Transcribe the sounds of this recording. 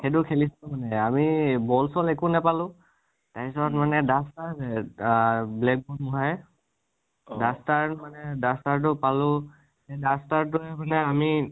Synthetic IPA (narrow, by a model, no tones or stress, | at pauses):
xetʊkʰelislɔmanɛamibɔlsɔlɛkʊnɛpalʊ̃ | taisɔtmanɛdastaɹzɛ | blɛk̚bɔnmʊɦaj | dastaɹmanɛdastaɹt̬ʊpalʊ̃ | edastaɹtʊɛmanɛami